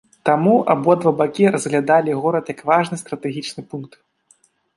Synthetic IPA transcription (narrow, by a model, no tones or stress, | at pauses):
t̪amua̰bɔɐd̪vɐbakʲiɾɐzɣlʲad̪alʲiɣɔɾɐt̪jɐkvaʐnɨst̪ɾɐt̪ɛɣʲit͡ʂnɨpunk̚t̪